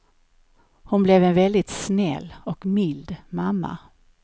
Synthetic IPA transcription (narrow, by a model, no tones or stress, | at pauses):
hʊnblɛvɛnvɛld̪ɪt̪snɛ̰lːɔkmɪld̪mamːa̰